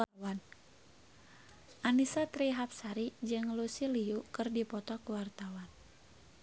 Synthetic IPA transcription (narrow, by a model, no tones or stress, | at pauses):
awan | ʔanisat̪ɾiɦap̚saɾid͡ʒɨŋlusiliukɨrdipɔt̪ɔkuwart̪awan